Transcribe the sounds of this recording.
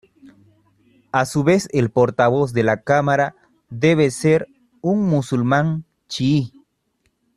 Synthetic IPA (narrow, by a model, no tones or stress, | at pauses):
asuβeselpoɾt̪aβozd̪elakamaɾa | d̪e̞βeseɾ | uŋmusulmãŋ | t͡ʃii